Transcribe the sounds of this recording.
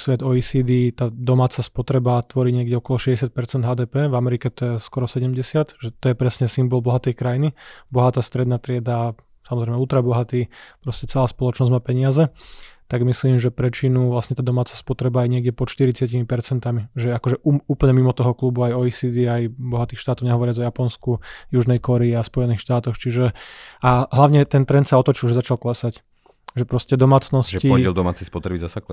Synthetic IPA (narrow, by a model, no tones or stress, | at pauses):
sʋɛd̪ɔisiːd̪iːt̪aːd̪ɔmaːt͡saspɔt̪ɾɛbat̪ʋɔɾiːɲɪɛɡɟɛɔkɔlɔʃɛzɟɛs̬jat̪̚pɛɾt͡sɛnd̪ɦaːd̪ɛːpɛːvamɛɾikɛt̪ɔjɛskɔɾɔsɛɟɛmɟɛsɪat̪ʒɛt̪ɔjɛpɾɛsɲɛsimbɔlˠbɔɦat̪ɛjkɾajinibɔɦat̪aːst̪ɾɛd̪naːt̪ɾɪɛd̪a | samɔzɾɛɪmɛult̪ɾabɔɦat̪iːpɾɔscɛt͡sɛlaːspɔlɔt͡ʃnɔzɟmaːpɛɲɪazɛt̪aɡmisliːmʒɛpɾɛt͡ʃinuʋlasɲɛt̪aːd̪ɔmaːt͡saspɔt̪ɾɛbaːjɲɪɛɡɟɛpɔt̪ʃt̪iɾit͡sɪacimipɛɾt͡sɛnt̪amiʒɛɛakɔʒɛʔuuːpl̩ɲɛmimɔt̪ɔɦɔklubuajɔisid̪iajbɔɦat̪iːxʃt̪aːt̪ɔʊɲɛɦɔʋɔɾɪad͡zɔjapɔnskujuʒnɛjkɔɾɛiaspɔjɛniːxʃt̪aːt̪ɔxt͡ʃiʒɛaɦlaʋɲɛt̪ɛnt̪ɾɛnt̪saɔt̪ɔt͡ʃilʒɛzat͡ʃalklɛsac | ʒɛpɾɔscɛd̪ɔmaːt͡snɔsʒɛciɔɛld̪ɔma̰ːt͡sɛjspɔt̪ɾɛbizasak